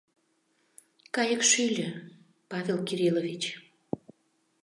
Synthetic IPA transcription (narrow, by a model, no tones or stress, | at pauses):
kɑjəkʃylʲə | pɑvʲelkiɾilovʲit͡ɕ